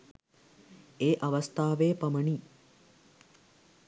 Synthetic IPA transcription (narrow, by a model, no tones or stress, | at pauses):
eːʔɐʋɐst̪aːʋeːpɐməɳi